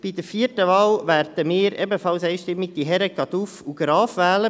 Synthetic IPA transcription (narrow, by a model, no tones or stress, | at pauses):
b̥id̪əɾfiətəʋɑːlʋæɾd̪̥əmɪːɾʔɛbəfɑlsɛɪʃtɪmːiɡ̚d̪iɦɛɾəɡɑd̪ufuɡ̥ɾɑːfʋæːlə